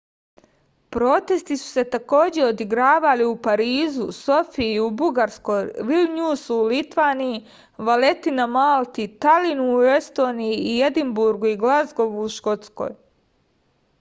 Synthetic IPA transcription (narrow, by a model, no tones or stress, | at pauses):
pɾo̞ːt̪e̞st̪isu̥se̞t̪ako̞ːd͡ʑe̞o̞d̪iɡɾaːʋaliupaɾiːzuso̞fiubuɡaɾsko̞jʋilɲuːsuulit̪ʋaːniji | ʋale̞t̪inamalˠt̪it̪alinuːe̞st̪o̞ːnijiːjed̪imbuɾɡuiɡlazɡo̞ʋuːʃko̞t̪sko̞̰ːj